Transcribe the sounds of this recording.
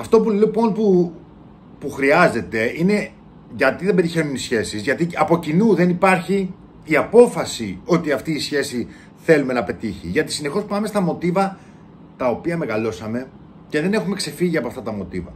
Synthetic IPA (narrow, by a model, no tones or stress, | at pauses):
ɐft̪o̞pulipo̞npu | puxɾiɐze̞t̪e̞ine̞ | ʝɐt̪iðebe̞ɾiçe̞nunisçe̞sizʝɐt̪iɐpo̞cinuðe̞nipɐɾçiː | ɐpo̞fɐsio̞t̪iɐft̪iːsçe̞si | θe̞lume̞nɐpe̞t̪içiʝɐt̪i̥sine̞xo̞spɐme̞st̪ɐmo̞t̪ivɐ | t̪ɐo̞piɐme̞ɣɐlo̞sɐme̞ | ce̞ðe̞ne̞xume̞kse̞fiʝiɐpoɐft̪ɐt̪ɐmo̞t̪ivɐ